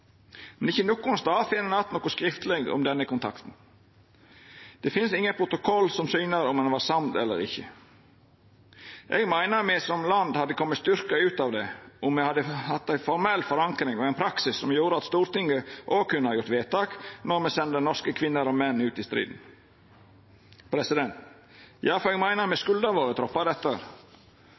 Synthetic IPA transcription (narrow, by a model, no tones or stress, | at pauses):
mɛnɪçːənokːʊnst̪ɑːfɪnənɑt̪noːkʊskɾɪft̪lɛɡɔ̰md̪ɛnːəkʊnt̪ʰɑ̰kt̪n̩ | d̪̥ɛfɪnsɪŋːəpʰɾʊt̪ʊkʰɔlːsɔmsyːnəɾɔmɛnʋɑːɾsɑmt̪ɛ̰lːə̰ɾɪ̰çːə | ʔɛɡmæɪnəɾmɛsɔmlɑnd̪hɑd̪ːəkʰɔmːət̪st̪ʏɾkɑʉːt̪ɑːʋd̪ɛɔmmɛhɑd̪əhɑt̪ːæɪfɔɾmɛlːfɔɾɑŋkɾɪŋɔɛɪnpʰɾɑksɪsːɔmjuːɾəɑt̪st̪uːɾt̪ɪŋɡəʔoːkʰʉnːəhɑɾjʊɾt̪ʋeːt̪ɑːknɔɾmɛsɛnd̪ənɔskəkʰʋɪnːəɾɔmɛnːʉːt̪ɪst̪ɾḭːd̪n̩ | pʰɾɛsɪd̪ɛnt̪ | jɑːfɔɾɛɡmæɪnəɾmɛskʉld̪ɑɾʋoːɾət̪ʰɾɔpːɑd̪ɛt̪ːəɾ